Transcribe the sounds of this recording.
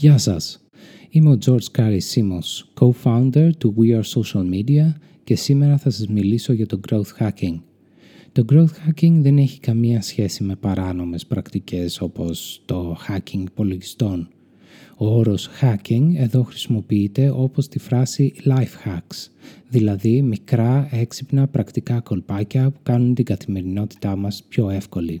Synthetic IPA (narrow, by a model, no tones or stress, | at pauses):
ʝɐsɐs | imeo̞d͡zo̞ɾd͡zkɐɾisimonskowfaund̪e̞ɾt̪uwiɐɾsoʃɐlmid̪iɐ | ce̞sime̞ɾɐθɐsɐzmiliso̞ʝɐt̪o̞ɡɾowθxɐciŋɡ | t̪o̞ɡɾo̞wθxɐciŋɡðe̞ne̞çi̥kɐmiɐsçe̞sime̞pɐɾɐno̞me̞spɾɐkt̪ice̞so̞po̞st̪o̞xɐciŋɡpo̞lo̞ʝist̪o̞n | ooɾo̞sxɐciŋɡe̞ðo̞xɾisimo̞piit̪e̞ʔo̞po̞st̪ifɾɐsilɐjfxɐksðilɐðimikɾɐeksipnɐpɾɐkt̪ikɐko̞lpɐcɐpukɐnunt̪iɡɐθime̞ɾino̞t̪i̥t̪ɐmɐspço̞e̞fko̞li